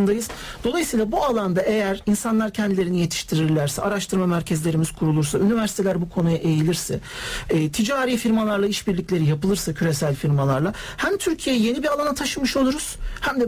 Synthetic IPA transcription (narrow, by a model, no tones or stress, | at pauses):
nd̪ajɯz̥d̪o̞lˠajɯsiːlˠabualˠand̪aʔe̞jæɾinsanlˠaɾcʰɛnd̪ilʲeɾinije̞t̪ʰi̥ʃt̪ʰiɾiɾlʲæɾsɛʔaɾaʃt̪ʰɯɾmamæɾcʰɛzlʲe̞ɾimiz̥kʰuɾulˠuɾsaynivæɾsit̪ʰe̞lʲæɾbukʰo̞nujaʔe̞jilʲiɾsɛː | t̪ʰid͡ʒaːɾiːfiɾmalˠaɾlˠaiʃbiɾlʲicʲlʲe̞ɾijapɯlˠɯɾsacʰyɾe̞sælʲfiɾmalˠaɾlˠa | hæmt̪ʰyɾcʰije̞jɛje̞nibiɾalˠanat̪ʰaʃɯmɯʃo̞lˠuɾuz̥hæmd̪ɛ